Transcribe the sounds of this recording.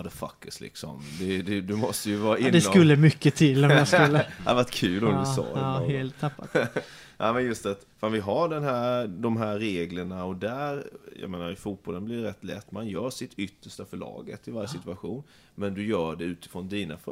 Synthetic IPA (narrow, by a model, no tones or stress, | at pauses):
d̪ɛfa̰kːəslɪ̰ksɔ̰md̪ɛd̪ɛd̪ɵmɔst̪əjɵvɑːɾaɪnd̪ɛkɵlːəmʏkːət̪ʰɪlːɔmjaɵlːəad̪əvaʈːkʰʉːlɔmd̪əsɑ̰ːdheːlt̪ʰːapːat̪ | ʔamɛnjɵst̪at̪faːnvɪɦaɖɛnɦæːɾd̪ɔmɦæːeːɡləɳaɔd̪æɾjɑ̰meːnaɾɪfuːt̪̚bɔlənblɪɖɛɾɛt̪ːlɛ̰t̪ːmanjœːɾʂɪt̪ʏt̪ːəʂʈafœɭɑ̰ːɡət̪ːɪvaɾjəsɪt̪ʉaɧuːn | mɛnd̪ɵjœːɖɛʉ̟ːt̪ɪ̥fɾɔnd̪iːnaf